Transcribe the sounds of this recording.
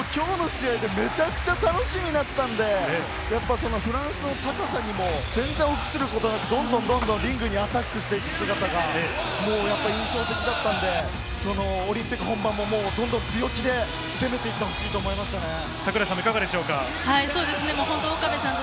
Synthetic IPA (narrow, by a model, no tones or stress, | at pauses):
kʲo̞ːno̞ɕiaid̪e̞me̞t͡ɕakɯ̟̥t͡ɕat̪ano̞ɕimʲinat̪ːãnd̪e̞ | japːaso̞no̞ɸɯ̟ɾãɰ̃sɨno̞t̪akasaɲ̟imo̞d͡zẽ̞nzeɰ̃o̞kʲi̥sɨɾɯ̟ko̞t̪o̞nakɯ̟d̪õ̞nd̪õnd̪õ̞nd̪õɾʲĩŋɡɯ̟ɲ̟iat̪akːɯ̟ɕi̥t̪eik̪ɯ̟̥sɨɡat̪aɡae | mo̞ːjapːaɾʲĩɰ̃ɕo̞ːt̪e̞kʲid̪at̪ːãnd̪e̞ | so̞no̞ːɾʲĩmpʲikɯ̟ɦõ̞mbãmːomo̞ːd̪õnd̪õ̞ntɨjo̞kʲid̪e̞ | se̞me̞t̪e̞it̪ːeho̞ɕiːt̪oːmo̞imaɕi̥t̪ane̞ | sakɯɾasãmːoikaɡad̪e̞ɕo̞ːka | haiso̞ːd̪e̞sɨnemoːɦõnt̪ookabesãn